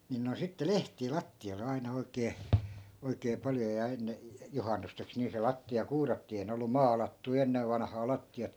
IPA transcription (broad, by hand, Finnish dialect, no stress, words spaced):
nin noin̞ sitːe lehtiː lɑtːioi̯le ɑinɑ oikeː oikeː pɑljo jɑ enːe juhɑnːusteks niː se lɑtːiɑ kuːrɑtːiː ei ne olːu mɑːlɑtːui̯ enːeʋ ʋɑnɑ̆hɑː lɑtːiɑt